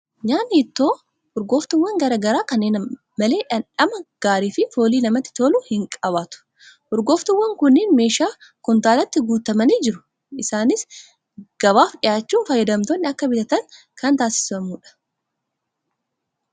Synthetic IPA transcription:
ɲaːnːɪːt̪ːo̞ː | hʊɾɡo̞ːft̪ʊwːɐŋɡɐɾɐɡɐɾaːkɐnːeːn | mɐle̞ːᶑɐnᶑɐmɐɡ̥aːɾiːfɪfo̞ːliːnɐmɐt̪ːɪ̥t̪oːluhɪŋkʼɐβaːt̪ʊ̥ | hʊɾɡo̞ːft̪ʊwːɐŋkʊnːɪːnme̞ːʃaːkʊnt̪aːlɐt̪ːɪɡuːt̪ɐmɐniːd͡ʒɪɾʊ | ʔɪsaːnɪs | ɡ̥ɐβaːfɗɪjaːt͡ʃːuːnfɐjːɐd̪ɐmt̪onːɪɐkːɐbɪt̪ɐt̪ɐŋ | kɐnt̪aːsɪ̥sɐmuːᶑɐ̥

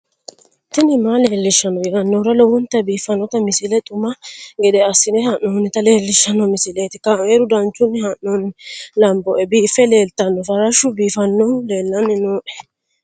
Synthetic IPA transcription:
t̪ːɪnɪmaleːlːɪʃːɐnːɔɡɛɡɐnːɔɾɐlɔwɔnt̪ːɐbiːfɐnːɔt̪ɐmɪsɪlɛt̪ʼʊmɐɡɛd̪ɛɐsːɪnɛhɐnːɔnɪt̪ɐle̞ːlːɪʃːɐnːɔmɪsɪleːt̪ɪkɐmeːɾʊd̪ɐnt͡ʃːʊnːhɐnːɔnɪlɐmbɔʔɛbiːfːɛle̞ːlt̪ɐnːɔfɐɾɐʃʊbiːfɐnːɔleːlːɐnːɪnoːʔɛ̥

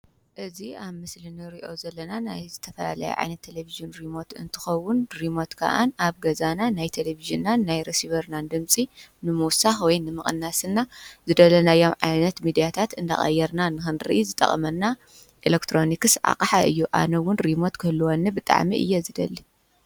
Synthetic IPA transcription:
ʔɨziaβmɨslɨnɨɾiʔo̞̰zɐlːɐnanajzɨt̪ʰɐfɐla̰la̰jɛ̰ʕa̰jnɐt̪ʰːeleviʒɨnɾimo̞t̪ɨ̰nt̪ʰɨ̥xɐwːʊnɾimo̞t̪kʰa̰ʔa̰naβɡɐzananajt̪ʰeleviʒinːanːajɾesiβɐɾnand̪ɨmsʼinɨmuwsaxwɔjnɨmɨχʼɨ̰nːasɨnːazɨd̪ɐlɐnajo̞mʕajnɐt̪mid̪ijat̪ʰat̪ɨnd̪a̰xʼɐ̰jːɛɾnanɨxɨnɾɨ̰ʔizɨt̪ʼɐ̰χʼɐ̰mɐnːa | ʔilekt̪ʰɾo̞nikɨsʕa̰qʼaħaʔɨjːuʔa̰nɐwʊnɾimo̞t̪kʰɨhɨlːuwonːɨbɨt̪ʼa̰ʕmḭʔɨ̰jːɛzɨd̪ɐ̰lːi

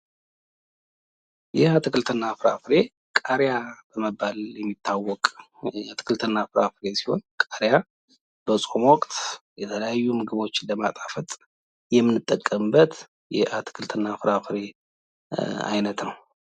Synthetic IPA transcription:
jɛhat̪ʰɨkɨlt̪ʰɨnːafɨɾa̰fɾe̞ | kʼaɾjab̥əməbːaljɛmːit̪ʰːawːɔkʼ | at̪ʰɨ̥kʰɨlt̪ʰɨnːafɨɾafɨɾe̞si̥ho̞nkʼaɾja | b̥əsʼo̞mwɔkʼt̪jɛt̪ʰələjajːumɨɡɨβo̞t͡ʃːɪləmat̪ʼafət̪ʼ | jɛmːɨnːɨt̪ʼːəkʼːəmbət̪ | jɛ̰ʔat̪ʰɨ̥kʰɨlt̪ʰɨnːafɨɾafɨɾe̞ | a̰jnət̪nəw

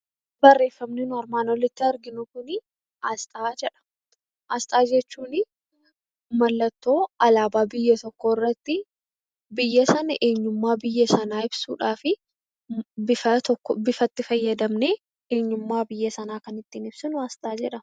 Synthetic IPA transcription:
bɐrːe̞ːfːɐmnɪnʊɐɾmaːnɔlːɪt̪ːɪɐɾɡɪnʊkʊnɪ | ɐst̪ʼaːd͡ʒɛᶑɐ̥ | ʔɐst̪ʼaːd͡ʒɛt͡ʃːuːnɪ | mɐlːɐt̪ːo̞ːɐlaːbaːbɪjːɐt̪ɔkːoːɪrːɐt̪ːɪ | bɪjːɐsɐnɐʔe̞ːɲːʊmːaːbɪjːɐsɐnaːɪb̥suːᶑaːfɪ | bɪfɐt̪ɔkːbɪfɐt̪ːɪfɐjːɐd̪ɐmneː | eːɲːʊmːaːbɪjːɐsɐnaːkɐnɪt̪ːiːnɪb̥sɪnʊɐst̪ʼaːd͡ʒɛᶑɐ

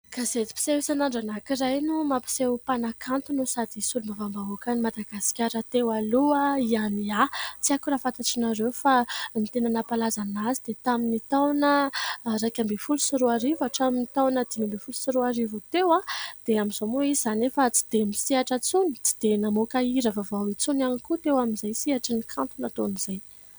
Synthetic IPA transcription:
kazet͡si̥pi̥sewisanaɳɖ͡ʐanakirajnumapi̥sewpanakʰant̪unusad̪isulumavambaɦokanimad̪aɡasi̥kʲaɾət̪ewaluaianiat͡siakuɾafat̪aʈ͡ʂinaɾewfanit̪enanapalazanazid̪̥et̪aminit̪awnəɾajkʲambefulusiɾuaɾivaʈ͡ʂaminit̪awnəd̪̥imambefulu̥siɾuaɾivut̪ewad̪̥eamiz̥omoiiz̥anefət͡si̥d̪̥emisiaʈ͡ʂət͡suni̥t͡si̥d̪̥enamokaiɾəvavawit͡sunanikut̪ewaminzajsiaʈ͡ʂinikʰant̪unat̪oniz̥aj

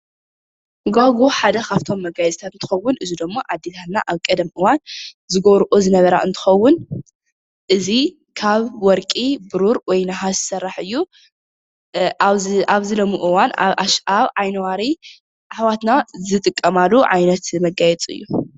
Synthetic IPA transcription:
ɨɡaɡoħad̪ɐxʰaβt̪ʰo̞mːɐɡajɛt͡sʼt̪ʰat̪ɨnt̪ʰɨ̥xɐwːʊnʔɨzid̪ɐmːoʔad̪ːet̪ʰat̪na̰ʔaβkʼɐd̪ɐmʔɨwan | zɨɡɐβɾʔozɨnɐβɐɾa̰ʔɨnt̪ʰɨ̥xɐwːʊn | ʔɨzi | kʰaβwɔɾkʼibɨɾuɾwɔjnaɦazɨsɐrːaħɨjːu | ʔaβzɨlomuʔɨwanaβʕajnɐwaɾi | ʔaħwat̪nazɨt̪ʼɨkʼːɐmalːuʕajnɐt̪mɐɡajɛt͡sʼɨ̰jːu

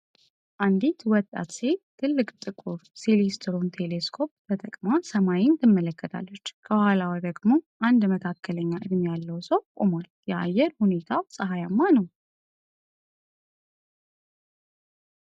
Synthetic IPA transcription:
ʔand̪it̪wɔt̪ʼːa̰t̪se̞t̪ʰɨlːɨkʼt̪ʼɨkʼuɾsilest̪ʰɾo̞nt̪ʰe̞leskʰo̞p̚bət̪ʼəkʼmasəmajɪnt̪ʰɨmːələkːət̪ʰa̰lːət͡ʃːkʰəbuhalawid̪əɡmo̞ʔand̪məkʰakʰːələɲːaʔɨd̪mjalːəwsəwkʼomaljɛʔa̰jɛɾhune̞t̪ʰawsʼəɦajamːanəw

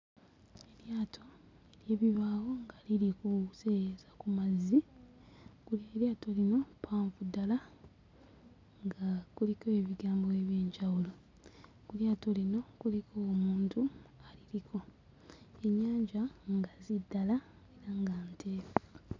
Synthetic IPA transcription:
e̞ɾjaːtʰo̞ | eɾjeːβiβaːwo̞ŋɡalilikusezakumazi | kulieɾjaːto̞lino̞pʰaːɱvudala | ŋɡakuliko̞e̞βiɡaːmboeβje̞ːɲɟawulo̞ | kuljaːto̞lino̞kulikʰoːmuːntualiliko̞ | eɲaːɲɟaŋɡazidːala | eɾaŋɡantʰe̞ːβa

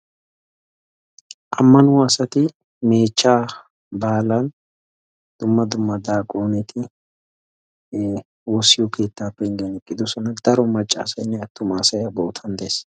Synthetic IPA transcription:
ʔɐmːɐnʊɐsɐt̪ɪ | me̞ːt͡ʃːaː | baːlɐn | d̪̥ʊmːɐd̪ʊmːɐd̪aːkʼoːnɛt̪ʰɪ | wɔsːɪjɔkʰe̞ːt̪ːaːpːɛɪnɡɐnɛkʼːɪd̪ʊsɔnɐd̪ɐɾɔmɐt͡ʃʼːa̰ːsɐjnːɛɐt̪ːʊmaːsɐjɐbɔːʊt̪ʰɐnd̪es

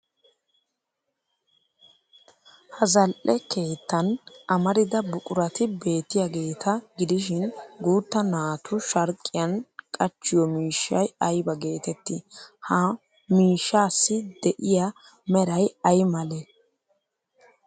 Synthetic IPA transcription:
hɐzɐlʔɛke̞ːt̪ːɐnʔɐmɐɾɪd̪ɐbʊkʼʊɾɐt̪ɪbe̞ːt̪ːɪjaɡe̞ːt̪ʰɐɡɪd̪ɪʃɪnɡuːt̪ːɐnaːt̪ʰʊʃɐɾkʼːɪjɐnkʼɐt͡ʃːɪjɔmiːʃːɐjɐjbɐɡe̞ːt̪ɛt̪ːɪhɐ | miːʃːaːsːɪd̪ɛʔɪja | mɛɾɐjɐjmɐle

